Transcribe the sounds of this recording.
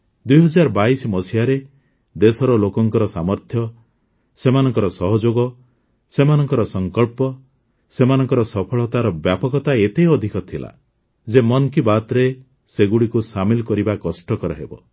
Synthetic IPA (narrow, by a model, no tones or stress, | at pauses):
d̪ujɦɔd͡ʒaɾɔbaismɔsiaɾe | d̪esɔɾɔlokɔŋkɔɾɔsamɔɾt̪ʰjɔ | semanɔŋkɔɾɔsɔɦɔd͡ʒoɡɔ | semanɔŋkɔɾɔsɔŋkɔɭpɔ | semanɔŋkɔɾɔsɔpʰɔɭɔt̪aɾɔbjapɔkɔt̪aet̪ejɔd̪ʱikɔt̪ʰila̰ | d͡ʒemɔnkibat̪ɾe | seɡuɽikusamilɔkɔɾibakɔsʈɔkɔɾɔɦebɔ̰